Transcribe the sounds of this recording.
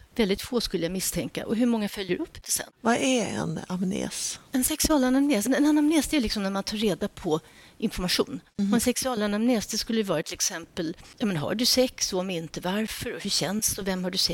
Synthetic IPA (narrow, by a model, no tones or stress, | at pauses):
vɛld̪ɪt̪foːskɵlːəjamɪst̪ʰɛŋka̰ʔɔɦɵɾmɔŋːafœljəɾʔɵpːd̪̥ɛsɛ̰nːvaæɾɛ̰na̰mnḛːsɛnsɛksɑːlanamneːsnɛnɛnːamneːsd̪ɛæjlɪksɔmnæɾmant̪ʰɑːɾeːd̪apʰɔ | ʔɪnfɔɾmaɧṵːnɔɛnsɛksɵɑːlanamneːsd̪ɛskɵlːəjɵvɑːɾat̪ʰɪlɛksɛmpəljɑːmɛnɦa̰ɖɵsɛksɔɔmɪnt̪əvaɾfœɾɔhɵɕɛnsɔvɛmhaɖɵsɛ